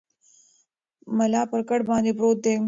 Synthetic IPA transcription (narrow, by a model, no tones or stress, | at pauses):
mɐlɑpəɾkəɽbɑːnd̪ebɾot̪̚d̪e